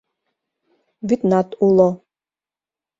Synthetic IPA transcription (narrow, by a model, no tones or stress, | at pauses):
vit̪nat̪ʼulˠɔ